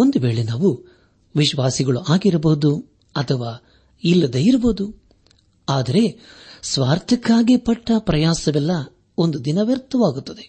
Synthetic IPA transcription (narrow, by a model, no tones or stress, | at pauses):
o̞nd̪uʋe̞ːɭenaːʋu | ʋiʃʋaːsiɡɐɭuʔaːɡiɾɐboːd̪u | ɐt̪ʰɐʋaː | ilːɐd̪ɐjiɾɐboːd̪u | aːd̪ɐɾe̞sʋaːɾt̪ʰɐkːaːɡipɐʈːɐpɾɐjaːsɐʋɛlːɐ | o̞nd̪ud̪inɐʋjɐɾt̪ʰːɐʋaːɡut̪ːɐd̪e